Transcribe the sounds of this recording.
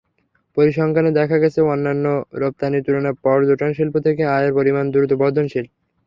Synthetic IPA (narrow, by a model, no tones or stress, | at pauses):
poɾiʃɔŋkʰaned̪ɛkʰaɡɛt͡ɕʰeonːanːoɾop̚t̪anit̪uɾoneɾpɔɾd͡ʑoʈanʃilpot̪ʰekeajeɾpoɾimand̪uɾut̪obɔd̪ʱonʃilp